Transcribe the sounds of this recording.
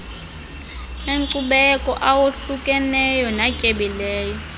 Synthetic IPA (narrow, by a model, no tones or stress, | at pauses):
eŋǀuɓɛkʼɔʔawoɬukʼɛnɛjɔnacʼeɓilɛːjɔ